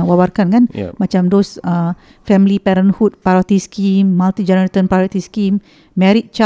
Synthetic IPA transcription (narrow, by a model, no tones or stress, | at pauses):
wawarkankan̰mat͡ʃamdɔsə | fɛmlipɛɾənhut̪̚pajot̪iskimːalt̪id͡ʒɛnəɾet̪ənpɾajot̪iskimː | ɛ̃ɾit̪̚t͡ʃa